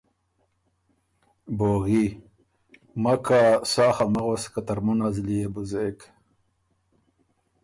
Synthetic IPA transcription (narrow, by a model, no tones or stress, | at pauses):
boːɣi | makasɑːxamaɣoskat̪aɾmunazlijebuzek